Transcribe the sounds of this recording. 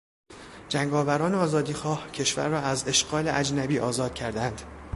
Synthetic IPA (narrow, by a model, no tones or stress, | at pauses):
d͡ʒæŋɡɒːvæɾɒːneɒːzɒːd̪iːxɒːhcʰe̞ʃvæ̰ɾːɒːæze̞ʃɡɒːleʔæd͡ʒnæbiːʔɒːzɒːd̪̥cʰæɾd̪ænd̪